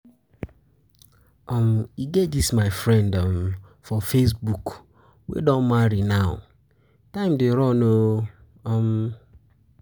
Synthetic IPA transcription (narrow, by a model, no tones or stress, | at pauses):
ɔmiɡedismaɪfɾɛ̃ndɔm̩ | fɔfes̬buk | wḛdɔ̃nmaɾinaʊ̰ | tãɪ̃mdeɾɔno | ɔm̩